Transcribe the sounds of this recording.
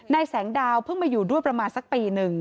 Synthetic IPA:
na˧jsɛː˩˦ŋdaː˧wpʰɯ˥˩ŋmaː˧juː˨˩du˥˩əjpɾa˧maː˧nsa˨˦˩k̚piː˧nɯ˨˩ŋ

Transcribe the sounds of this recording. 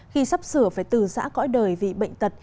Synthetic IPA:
xi˧sa˦˥p̚sɨ˧˩əfaː˧˩jt̪ɨ˨˩sa̰ː˧˥kɔ̰˧˥jɗəː˨˩jvḭ˧˨ɓə̰˧˨jŋ̟t̪ə˨˩t̚

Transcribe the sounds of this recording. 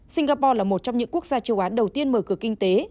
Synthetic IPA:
sï˧ŋɣaː˧pɔ˧laː˨˩mo˨˩t̚t͡ɕɔ˧wŋ͡mɲɨ̰˧˥ŋku˦˥ək̚zaː˧t͡ɕə˧˩wʔaː˨˦nɗə˨˩wt̪i˧ənməː˧˩kɨ˧˩əkï˧ŋ̟t̪e˨˦

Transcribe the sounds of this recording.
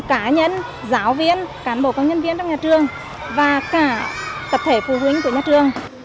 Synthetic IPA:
kaː˨˧˦ɲə˧˨n | zaː˨˦wvi˧ənkaː˨˦nɓo˧˩ka˧˦wɲə˧˨nvi˧ənt͡ɕɔ˧wŋ͡mɲaː˨˩t͡ɕɨ˨˩əŋ | vaː˨˩kaː˧˩t̪ə˨˩p̚t̪ʰe˧˩fu˧˩hwï˨˦ŋku˧˩əɲaː˧˩t͡ɕɨ˨˩əŋ

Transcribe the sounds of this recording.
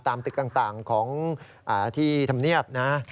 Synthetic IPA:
t̪aː˧mt̪ɯ˨˩k̚t̪aː˨˩ŋt̪aː˨˩ŋkʰɔː˩˦ŋ | ʔaː˨˩t̪ʰiː˥˩t̪ʰa˧mni˥˩əp̚na˦˥

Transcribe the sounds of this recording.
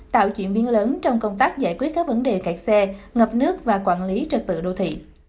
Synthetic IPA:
t̪a̰ː˧˨wt͡ɕwḭ˧˨ənɓi˨˦ənləː˨˦nt͡ɕɔ˧wŋ͡mkə˧wŋ͡mt̪aː˦˥k̚zaː˧˩jkwi˦˥ət̚kːaː˦˥k̚və˨˦nɗe˨˩ka˨˩k̚sɛ˧ŋə˨˩p̚nɨ˦˥ək̚vaː˨˩kwa̰ː˧˨nli˨˦t͡ɕə˨˩t̚t̪ɨ̰˧˨ɗo˧t̪ʰḭ˧˨

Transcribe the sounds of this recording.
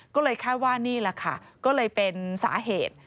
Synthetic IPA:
kɔː˥˩lɤː˧jkʰaː˥˩jwaː˥˩niː˥˩la˧˦kʰa˥˩kɔː˥˩lɤː˧jpe˧nsa̰ː˩˦ɦeː˨˩t̪̚

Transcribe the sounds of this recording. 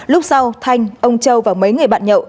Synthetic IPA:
lʊ˦˥k͡p̚sa˧wt̪ʰa˧jŋ̟ʔə˧wŋ͡mt͡ɕə˧wvaː˨˩wmə˨˦jŋɨ˨˩əjɓa̰ː˧˨nɲə̰˧˨w

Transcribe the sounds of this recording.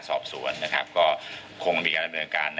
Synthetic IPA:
nsɔ̰ː˨˩p̚su˩˦ɐənːa˦˥kʰa̰˦˥p̚kɔː˥˩ | kʰo˧ŋmiː˧˩kaː˧nd̪a˧mnɤː˧nkaː˧nː

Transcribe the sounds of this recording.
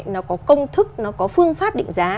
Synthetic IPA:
nɔ˨˦kɔ˨˦kə˧wŋ͡mt̪ʰɨ˦˥k̚nɔ˨˦kɔ˨˦fɨ˧əŋfaː˦˥p̚ɗḭ̈˧˨ŋ̟zaː˨˦

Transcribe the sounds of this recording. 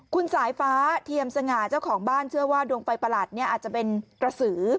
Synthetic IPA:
kʰu˧nsaː˩˦jfaː˦˥t̪ʰi˧əmsa˧ŋaː˨˩t͡ɕa˥˩wkʰɔː˩˦ŋbaː˥˩nt͡ɕʰɯ˥˩əwaː˥˩duː˧ŋfa˧jpa˧laː˨˩t̪̚ni˥˩ɐʔːt̪̚t͡ɕa˨˩pe˧npɾa˧sɯː˩˦

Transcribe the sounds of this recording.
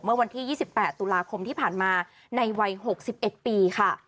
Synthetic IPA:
mɯ˥˩ɐwa˧nt̪ʰiː˥˩jiː˥˩si˨˩pːɛː˨˩t̪ːuː˧laː˧kʰo˧mt̪ʰiː˥˩pʰaː˨˩nmaː˧ | na˧jwa˧jɦo˨˩k̚si˨˩p̚ʔe˨˩t̪̚piː˧kʰa˥˩

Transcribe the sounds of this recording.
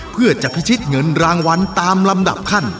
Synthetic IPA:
pʰɯ˥˩ɐt͡ɕa˨˩pʰi˦˥t͡ɕʰi˦˥t̪̚ŋɤ˧nɾaː˧ŋwa˧nt̪aː˧mla˧mda̰˨˩p̚kʰa˥˩n

